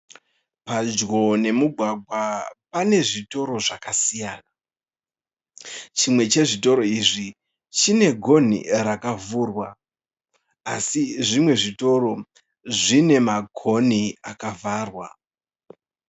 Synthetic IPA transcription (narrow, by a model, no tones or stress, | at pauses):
pad͡ʒɡo̞ne̞muɡʱwaɡʱwapane̞ʐito̞ɾo̞ʐakasijaːna | t͡ʃimwe̞t͡ʃe̞ʐito̞ɾo̞iʐi | t͡ʃine̞ɡʱo̞nḭrakavuːrwa | siʐimwe̞ʐito̞ɾo̞ | ʐine̞maɡʱo̞niakavʱaːrwa